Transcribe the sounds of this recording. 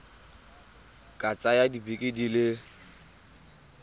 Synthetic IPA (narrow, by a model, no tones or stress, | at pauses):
kʼat͡sʼajadibekʼidilɪ